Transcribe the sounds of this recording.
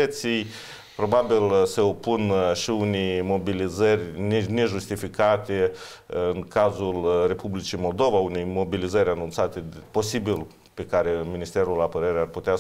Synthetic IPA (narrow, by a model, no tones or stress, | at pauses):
ət̪sij | pɾo̞babilse̞opːunʃiunejmo̞bilizərʲnne̞ʒust̪ifikat̪e | ɨŋkazulre̞publit͡ʃijmo̞ld̪o̞vaune̞jmo̞bilizəɾʲanunt̪sat̪e̞po̞sibil | pe̞kaɾe̞minist̪e̞ɾulapəɾeɾearput̪ea